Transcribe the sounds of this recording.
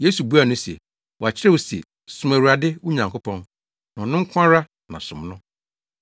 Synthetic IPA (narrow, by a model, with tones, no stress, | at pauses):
je˦su˨bu˦a˨nʊ̃˦sɛ̰˨ | wɔ˨a˨t͡ɕʰɪ˦ɾɛ˦wo˨sɛ̰˨ | sʊ˦mæ̃˨ɾu˨a˨dɪ˦wʊ˦ɲã˨ŋkʰo˦pʰɔ̃˦n | nã˨ɔ˨nʊ̃˦ŋ̩˦kʷʰã˦ɾa˦ | nã˨sʊ̃˨mnʊ̃˦